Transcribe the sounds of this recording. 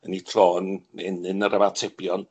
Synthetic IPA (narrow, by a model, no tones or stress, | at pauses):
ənitʰloːnɛnɨnəɾʔəmatʰɛbjɔn